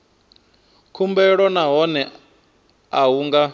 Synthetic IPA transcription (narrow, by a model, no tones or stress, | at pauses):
kʰumbɛɺɔnaɦɔnɛ | aɦuŋɡa